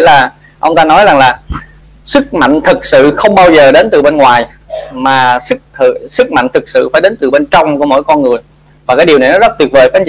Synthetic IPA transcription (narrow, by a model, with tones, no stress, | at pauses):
laː˨˩ | ʔə˧wŋ͡mt̪aː˧nɔ˨˦jza˨˩ŋlaː˨˩ | sɨ˦˥k̚ma̰˧˨jŋ̟t̪ʰɨ˨˩k̚sɨ̰˧˨xə˧wŋ͡mɓaː˧wzəː˨˩ɗe˨˦nt̪ɨ˨˩ɓe˧nŋwaː˨˩j | maː˨˩sɨ˦˥k̚t̪ʰsɨ˦˥k̚ma̰˧˨jŋt̪ʰɨ˨˩k̚sɨ̰˧˨faː˧˩jɗe˨˦nt̪ɨ˨˩ɓe˧nt͡ɕɔ˧wŋ͡mku˧˩əmo̰˧˥˦jkɔ˧nŋɨ˨˩əj | vaː˨˩kaː˨˦jɗi˨˩əwna˨˩jnɔ˨˦zə˦˥k̚t̪wi˨˩ət̚vəː˨˩jkaː˧˥˦ŋt͡ɕ